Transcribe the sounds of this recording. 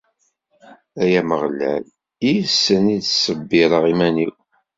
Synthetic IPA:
æjæməʁlæ̰l | isːəniðsəbːɪɾˤəʁimæniw

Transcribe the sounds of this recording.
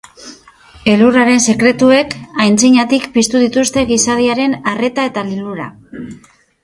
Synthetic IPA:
e̞luraɾe̞nse̞kɾe̞t̪ue̞kajnt͡siɲat̪ikpist̪uð̞it̪ust̪e̞ɣisað̞iaɾe̞nare̞t̪ae̞t̪aliluɾa̰

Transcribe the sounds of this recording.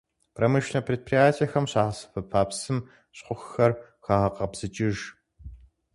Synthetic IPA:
pʰrɐmɨʃnɐpʰreːd̚pʰrijaːtʰijɐxɐmɕaːʁɐsɨ̥fɐpʰaːpsɨm | ɕqʷʊxxɐr | xaːʁɐqɐbz̥ɨt͡ʃʼɪʒ

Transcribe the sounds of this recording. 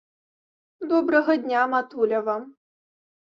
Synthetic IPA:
d̪ɔbɾɐɣɐd̪ʲnʲamat̪ulʲɐvam

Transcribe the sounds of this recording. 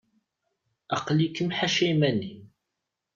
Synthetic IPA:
ɑqlikːəmħaʃæjmænːi

